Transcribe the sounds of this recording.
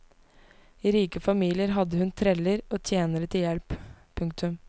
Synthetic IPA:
iːɾiːkəfɑmiːlɪəɾɦɑd̪əhʉnt̪ʰɾɛləɾoːt̪ʰjeːnəɾət̪ʰɪljɛlppʰːʉŋk̚t̪ʉm

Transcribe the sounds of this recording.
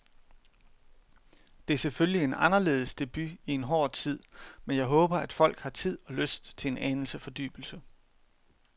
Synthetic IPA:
d̥e̝æɐseføllie̝nɑ̈nɐle̝̰ːð̞̩ˠsd̥e̝b̥yie̝nɦɒ̰ːd̥t͡sʰið̞̰ˠmenjɑ̈ɪɦɔ̽ːb̥ɐæd̥fɒ̽l̰ɡ̥hɑ̈t͡sʰið̞̰ˠɒ̽løsd̥t͡sʰe̝e̝nʔænl̩səfɒ̽d̥y̰ːb̥l̩sə

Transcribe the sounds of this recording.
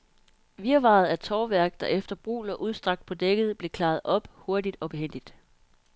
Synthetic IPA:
ʋiɐʋɑ̰̈ð̞̩ˠæɐt͡sʰɒːʋæɐ̰ɡ̥d̥ɑ̈ʔefd̥ɐb̥ʁṵːlɒʔuð̞ˠsd̥ʁɑ̈ɡ̥̚d̥̚pʰɒ̽d̥eɡ̥əð̞̩ˠb̥le̝kʰlɑ̈ːð̩ˠɒ̽b̥ho̝ɐdid̥ɒ̽b̥e̝hen̰d̥id̥

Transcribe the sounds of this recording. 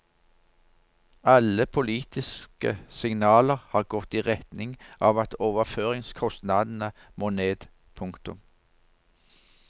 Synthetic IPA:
ɑləpʰʊliːt̪ɪskə̰sɪŋnɑːləʁhɑːʁɡɔt̪ːiːʁɛt̪nɪŋʔɑːʋɑt̪ʰoːʋəʁføːʁɪŋskʰɔst̪nɑd̪n̩əmoːneːd̪ | pʰʊŋkt̪ʊ̰m

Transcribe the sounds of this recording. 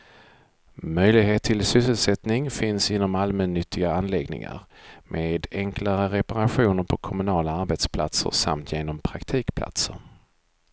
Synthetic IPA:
mœjlɪɡɦeːt̪ʰːɪlsʏsːəlsɛt̪nɪŋfɪnsɪnːɔmalmɛnːʏt̪ʰːɪɡaanlɛɡnɪ̰ŋa̰ɾmʔeːd̪ɛŋklaɾəɾɛpaɾaɧuːnəɾpʰɔkʰɔmɵnɑːlaaɾbɛt̪spʰla̰t̪sə̰ɾsa̰mt̪ʰjeːnɔmpʰɾakt̪ʰiːkpʰla̰t̪səɾ

